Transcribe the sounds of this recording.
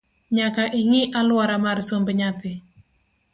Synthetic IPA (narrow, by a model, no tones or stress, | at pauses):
ɲakaʔiŋiʔaluwaɾamaɾisombəɲat̪ɪ